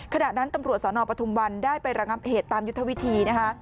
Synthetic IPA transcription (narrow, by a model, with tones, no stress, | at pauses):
kʰa˧na˨˩na˦˥nt̪a˧mɾu˨˩t̪̚sɔː˩˦nɔː˧pɾa˧t̪ʰu˧mwa˧ndaː˥˩jpa˧jɾa˧ŋa˦˥p̚heː˨˩t̪ːaː˧mju˦˥t̪ʰːa˦wi˦˥t̪ʰiː˧na˦˥kʰa˦˥